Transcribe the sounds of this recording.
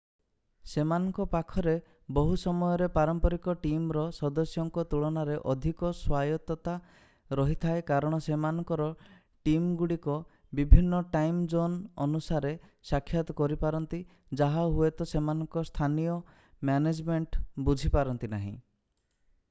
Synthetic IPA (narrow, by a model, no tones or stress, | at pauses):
semanɔŋkɔpakʰɔɾe | bɔɦusɔmɔjɔɾepaɾɔmpɔɾikɔʈimɾɔsɔd̪ɔsjɔŋkɔt̪uɭɔnaɾeʔɔd̪ʱikɔswajɔt̪ɔt̪a | ɾɔɦit̪ʰaekaɾɔɽ̃ɔsemanɔŋkɔɾɔ | ʈimɡuɽikɔ | bibʱinːɔʈajmd͡ʒonɔnusaɾesakʰːjat̪ɔkɔɾipaɾɔnt̪i | d͡ʒaɦaɦuet̪ɔsemanɔŋkɔst̪ʰanijɔ | mjaned͡ʒmeɳʈbud͡ʒʱipaɾɔnt̪inaɦḭ̃